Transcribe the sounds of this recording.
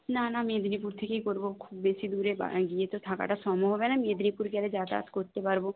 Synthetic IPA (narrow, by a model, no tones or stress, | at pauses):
nanamẽːd̪ɾip̬uɾt̪ʰekeikoɾbokʰuːbːeːsid̪uːɾeba̰ɡiet̪ot̪ʰaka̰ʈasɔːmoɦoʋenamẽːd̪ɾiːpuɾkɛled͡ʒaːt̪a̰ːt̪koɾt̪ebaɾbo